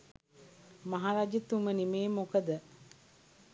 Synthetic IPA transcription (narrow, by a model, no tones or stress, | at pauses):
maɦaɾad͡ʒit̪umənimeːmokəd̪ə